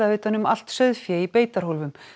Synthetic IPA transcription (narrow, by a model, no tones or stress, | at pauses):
aʏːt̪anʏmal̥t̪sœðfjɛipeːjt̪aɾ̥howlvʏm